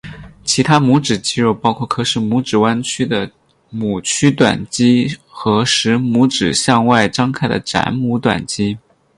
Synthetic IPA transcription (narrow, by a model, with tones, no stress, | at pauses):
t͡ɕʰi˧˥t̪ʰa˥mu˧˥ʈ͡ʂɻ̩˨˩t͡ɕi˥ɻu˥˩pɑ˥ʊkʰwɔ˥˩kʰɤ˥ʂɻ̩˥˩mu˧˥ʈ͡ʂɻ̩˨˩wa˥nt͡ɕʰy˥d̪ə˨ | mu˨˩t͡ɕʰy˥t̪wa̰˨˩nt͡ɕi˥xɤ˧˥ʂɻ̩˧˥mu˧˥ʈ͡ʂɻ̩˨˩ɕjɑ˥˧ŋwa˥˩ɪʈ͡ʂɑ˥ŋkʰa˥˩ɪd̪ə̰˩ʈ͡ʂa̰˧˥nmu˧˥t̪wa̰˨˩nt͡ɕi˥